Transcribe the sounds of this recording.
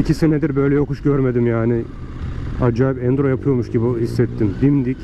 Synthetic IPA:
icʰisined̪iɾbø̞jlʲɛjokuʃɟøɾmed̪imjaːnɪ | ad͡ʒaːipɛnd̪ɾo̞japʰɯjo̞ɾmuʃɟibuhisːɛt̪ʰːimd̪imd̪ic

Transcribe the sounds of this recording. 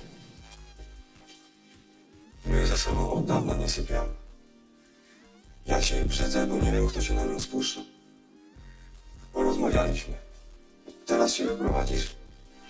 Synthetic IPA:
mɘzasɔbɔ̃w̃ʔɔd̪ːavnaɲɛsɘpʲjam | ja̰ɕɛbʐɛd̪zɛbɔɲɛmʲɘwkt̪ɔɕɛnaɲɔ̃w̃spuʂa | pɔɾɔzmavʲjalʲiɕmɘ | t̪ɛɾasɕɛvɨpɾɔva̰d͡ʑiʂ

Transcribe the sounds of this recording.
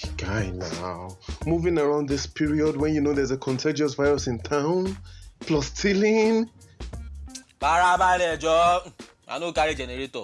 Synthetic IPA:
ɡ̥aɪnaʊmuvɪ̃ŋəɹãʊ̃nd̪ðɪspʰiɹiɔd̚wɛ̃njunoðɛzəkʰɔ̃ntʰed͡ʒiɔsvaɪɹɔsɪ̃ntʰãʊ̃nplɔstʰilĩn | baɾabalɛd͡ʒɔ | a̰nokaɾid͡ʒɛneɾetɔ̰

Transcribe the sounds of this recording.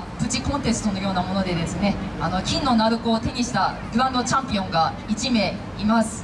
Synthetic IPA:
pɯ̟t͡ɕikõ̞nt̪e̞sɨ̥t̪o̞no̞jo̞ːnamo̞no̞d̪e̞d̪e̞sɨne̞ano̞kʲĩnːo̞naɾɯ̟koːt̪e̞ɲ̟iɕi̥t̪aɡɯ̟ɾãnd̪o̞t͡ɕãmpʲiõ̞ŋɡa | it͡ɕime̞ | imasɨ̥

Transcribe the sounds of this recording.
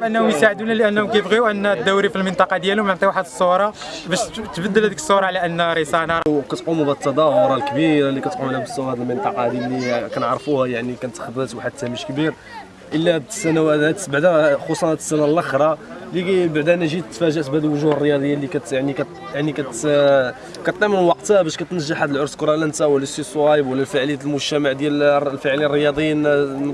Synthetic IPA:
bʔənːhʊmjsaʕəd̪unæləʔənːhʊmkæjəbɣiuʔənːæt̪̚d̪æwːɾifilmənt̪ˤɑqɑd̪jælwmənt̪ˤiwaħəd̪əsˤːoɾˤɑ | bæʃt̪bæd̪ːəlhæd̪ikəsˤːoɾˤɑʕlæʔənːɾisɑnɑɾˤkæt̪qumubæd̪ət̪ːɑd̪ˤɑhʊɾˤɑlkbiɾlːikæt̪qumnhæbəsˤːʊæd̪əlmənt̪ˤɑqɑd̪iælːikænʕɾˤfuhæjaʕnikænt̪ːxɑd̪ət̪waħad̪̚t̪ːæməʃkbiɾ | ʔəlːæə̥sːænæwææt̪baʕd̪æxosˤɑnæt̪ə̥sːænælʔɑxɾˤɑlibaʕd̪ænæʒit̪fæʒæʔsbhæd̪əlwʊʒuhərˤːəjɑd̪ˤəjːalikæt̪jaʕnikæ | jaʕnikæt̪ | kæt̪ˤːɑmənwɑqt̪bæʃkæt̪nəʒːəħhæd̪əlʕʊɾˤskɾˤɑlænt̪æwəlːæsisˤwɑjəbwəlːælfəʕləjæt̪lmʊʒt̪æmaʕd̪jællfəʕlinərˤəjɑd̪ˤjin

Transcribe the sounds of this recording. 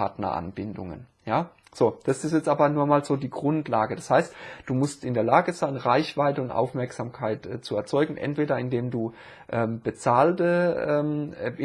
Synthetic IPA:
aɐtnɐ̰ʔa̰nbɪndʊ̰ŋə̰n | jaː | z̥oːd̥asɪstjɛt͡stʔaːbɐnuːɐmaːlz̥oːdiːɡʁʊntlaːɡəd̥ashaɪstd̥uːmʊstɪndeːɐlaːɡəz̥aɪnʁaɪçv̥aɪtəʊntʔa̰ʊfmɛɐkz̥aːmkʰaɪtʔɛːt͡suɛɐt͡sɔʏɡŋ̩ʔɛ̰ntv̥eːɾɐɪndeːmduː | ʔɛːmb̥ət͡saːltəɛːm

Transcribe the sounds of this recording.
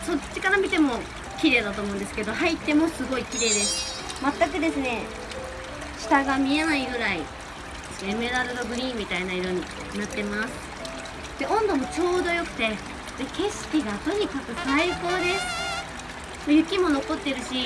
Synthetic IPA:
so̞t͡ɕːikaɾamʲit̪e̞mo̞ | kʲiɾe̞ːd̪at̪o̞ːmo̞ɯ̃nd̪esɨ̥ke̞d̪o̞hait̪ːe̞mo̞sɨɡo̞ikʲiɾe̞ːd̪e̞sɨ̥ | mat̪ːak̬ɯ̟d̪e̞sɨne̞ | ɕi̥t̪aɡamʲie̞naiɡɯ̟ɾai | eskeme̞d̪aɾɯ̟ɾoɡɯ̟ɾʲĩːmmːʲit̪ainaiɾo̞ɲ̟i | nat̪ːe̞masɨ̥ | d̪̥e̞ʔõ̞nd̪o̞mo̞t͡ɕo̞ːd̪o̞jo̞kɯ̟̥t̪e̞ | eke̞ɕi̥kʲiɡat̪o̞ɲ̟ikakɯ̟saiko̞ːd̪e̞sɨ̥ | mojɯ̟kʲimo̞no̞ko̞t̪ːe̞ɾɯ̟ɕi

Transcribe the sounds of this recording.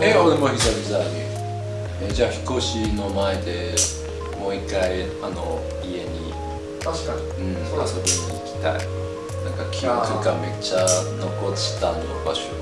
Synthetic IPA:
eoɾemoçizaɦizaɡi | ed͡ʑaːçi̥ko̞ɕino̞mae̞d̪e̞ | mo̞ikːai | ano̞̰ | ie̞ɲ̟ḭ | aa | ɯ̟̃ | asobeɲiikʲi̥t̪a̰ḭ | nãŋkakʲʰikɯɡame̞t͡ɕano̞kotɕi̥t̪anːokaɕ

